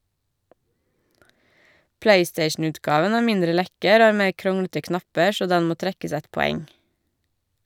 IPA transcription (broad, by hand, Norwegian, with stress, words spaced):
ˈpleɪˌsteɪʃn̩ˌʉːtˌɡɑːʋən ˈæː ˈmɪndɾə ˈlɛkəɾ ˈoː ˈɑː ˈmeː ˈkɾʊŋɽətə ˈknɑpə ˈʃoː ˈdɛn ˈmoː ˈtɾɛkəs ˈɛt pɔˈɛŋ